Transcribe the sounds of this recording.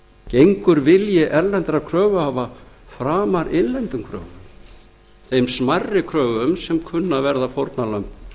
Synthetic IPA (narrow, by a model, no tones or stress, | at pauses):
cejŋkʏɾvɪljɪʔɛɾlɛnt̪ɾakʰɾœːvʏhaːva | fɾaːmaɾʔeɪnlɛnt̪ʏmkʰɾœ̰ːvʏm | θejmsmarːɪkʰɾœːvʏmsɛmkʰʏnːavɛɾðafowɾt̪nalœmp